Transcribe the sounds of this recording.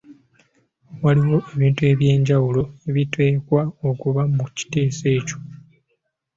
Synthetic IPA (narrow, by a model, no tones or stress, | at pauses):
waliwo̞ʔe̞βiːntue̞βje̞ːɲɟawulo̞e̞βite̞ːkwaokuβamuci̥te̞ːse̞ːco̞̥